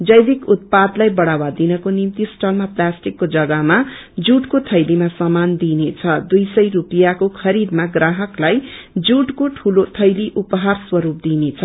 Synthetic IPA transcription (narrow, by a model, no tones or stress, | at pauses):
d͡zʌjbikut̪̚pad̪lajbʌɽawad̪inʌkonimt̪isʈʌlmaplasʈikːod͡zʌɡʌma | d͡zuʈkot̪ʰʌjlimasʌmand̪inet͡sʰʌd̪ujsʌjrupijakokʰʌɾid̪maɡraɦʌklajd͡zuʈkoʈʰulot̪ʰʌjliʔupʌɦarswʌɾup̚d̪inet͡sʰʌ